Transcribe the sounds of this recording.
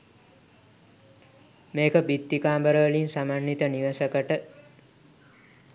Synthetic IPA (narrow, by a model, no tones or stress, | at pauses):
meːkəbit̪ːikaːmbəɾəʋəlinsamanːit̪əniʋəsəkəʈə